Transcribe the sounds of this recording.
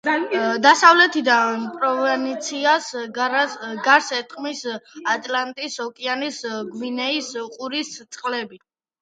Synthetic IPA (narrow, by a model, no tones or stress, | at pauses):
d̪asavlɛt̪ʰid̪apʼɾɔvɛnit̪sʰias | ɡaɾsɛt̪ʰʼχʼmisat̪ʼlant̪ʼisɔkʼianisɡwinɛisqʼuɾist̪sʼqʼlɛbi